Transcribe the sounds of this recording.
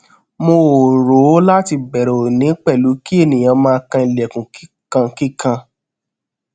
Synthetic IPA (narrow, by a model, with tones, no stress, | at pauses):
mo˧˨ɾo˨˦la˦ti˧bɛ˨ɾɛ˨o˨nĩ˨˦k͡pɛ˦˨lu˨˦ki˦e˦˨nĩ˨j̃ã˧mãː˦˧kã˧ĩ˨lɛ˨kũ˨ki˦kã˧ki˦kã˧